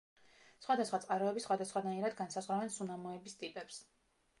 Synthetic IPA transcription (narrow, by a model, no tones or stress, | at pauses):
sχwad̪asχwat̪sʼqʼaɾɔɛbisχwad̪asχwanaiɾad̪ɡansazʁwɾavɛnsunamɔɛbist̪ʼipʼɛps